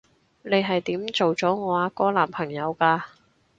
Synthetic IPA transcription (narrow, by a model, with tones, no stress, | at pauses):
ne˨˧jɦɐ˨jt̪iː˨˥mt͡so˨wt͡sɔː˨˥ŋɔː˨˧aː˨˥kɔː˥laː˨˩mpʰɐ˨˩ŋjɐ˨˧wkaː˧